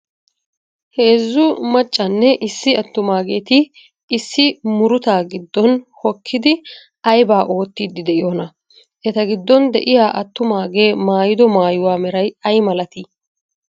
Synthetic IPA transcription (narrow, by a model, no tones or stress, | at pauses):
he̞ːzːʊmɐt͡ʃʼːɐnːɛʔɪsːɪɐt̪ːʊmaːɡe̞ːt̪ɪː | sːɪmʊɾʊt̪aːɡɪd̪ːɔnhɔkʰːɪd̪ɪ | ɐjbaːʔo̞ːt̪ːiːd̪ːɪd̪ɛʔɪjoːnɐ | ʔɛt̪ɐɡɪd̪ːɔnd̪ɛ̰ʔɪjaːʔɐt̪ːʊmaːɡe̞ːmaːjɪd̪ɔmaːjʊwaːmɛɾɐjɐjmɐlɐt̪ɪ